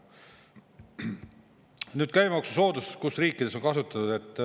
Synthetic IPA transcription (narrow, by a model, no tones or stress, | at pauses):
nyːd̪̥kæjmeoksuso̞ːd̪uskusriːkːid̪eso̞nkɑsut̪ːˑɑnud̪e̞t̪ːˑ